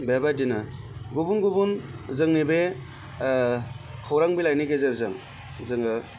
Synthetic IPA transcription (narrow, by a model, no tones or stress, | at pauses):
bebadinɯ | ɡubunɡubunzɯŋnibe | kʰawɾaŋbilajniɡezɯɾzɯŋ | zɯŋɯ